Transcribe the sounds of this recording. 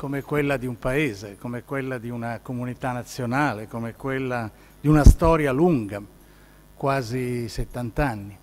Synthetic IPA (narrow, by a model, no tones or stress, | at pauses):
komekwelːad̪iumpaeːzekomɛkwelːad̪iunakomunit̪anːat̪sːjonaːlekomekwelːa | d̪iunast̪ɔːɾjaluŋɡa | kwaːziset̪ːant̪anːi